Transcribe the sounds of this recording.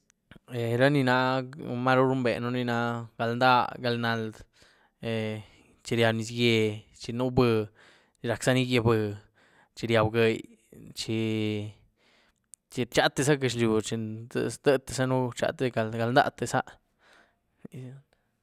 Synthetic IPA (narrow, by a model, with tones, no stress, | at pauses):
e˨ɾa˦ni˧na˧ma˦ɾu˦ɾu˦mbḛ˨nu˦ni˧na˧ɡa˧lnd̪a˦ɡa˧lna˧l | e˧ | t͡ʃi˧ɾja˧bni˧s̬ɡje˧t͡ʃi˧nu˦bɨ˧ | ɾa˨ksa˦ni˦ɡe˧bɨ˧ | t͡ʃi˧ɾja˧bɡe˧j | t͡ʃi˧ | t͡ʃi˧t͡ʃa˦t̪ːe˧sa˦ɡe˧ʃ̬lju˨t͡ʃḛ˧sd̪ə˦t̪e̥˧sa˦nu˦t͡ʃa̰˧t̪e˧ɡa˧lɡa˧lnd̪a̰˦t̪e˧˨sa˦ʔ